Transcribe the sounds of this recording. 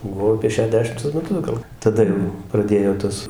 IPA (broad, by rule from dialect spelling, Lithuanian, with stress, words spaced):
bʊˈʋɐʊ ɐpʲiɛ ʃʲɛˈdʲæːʃʲɪmtʊs mʲɛˈtʊs ɡɐlˠ tɐˈdɐ jɛʊ prɐˈdʲeːjoː ˈtuɔs